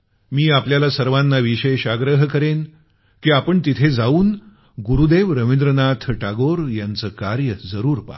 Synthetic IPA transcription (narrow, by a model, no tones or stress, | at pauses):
miːapljalasəɾʋãnːaʋiɕeɕaɡɾəɦkəɾen | kiːapəɳt̪it̪ʰed͡zauːn | ɡuɾud̪eʋɾəʋend̪ɾənat̪ʰʈaɡoɾjant͡səːkaɾjəd͡zəɾuːɾpa̰